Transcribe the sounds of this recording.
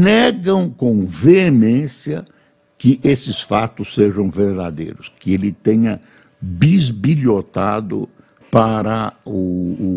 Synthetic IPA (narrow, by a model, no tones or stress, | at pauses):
nɛɡɐ̃w̃kõw̃veemẽsjiɐ | kɪʔesɪsfat̪ʊsːeʒɐ̃w̃veɾd̪a̰d̪ḛjɾʊskɪelɪt̪ẽɲɐ | bizbiʎot̪ad̪ʊ̰ | paɾɐʊ